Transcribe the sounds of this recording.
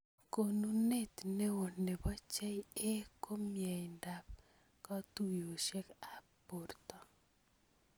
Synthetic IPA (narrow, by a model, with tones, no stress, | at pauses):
ko˨nu˦ne˦t̪ne˦wo˨ne˨bɔ˦t͡ʃɛ˦je˦ko˦mjɛ˨jnda˨p̚ | kɔ˦t̪u˦˨jo˨ʃe˦ka˨po˨rt̪ɔ˨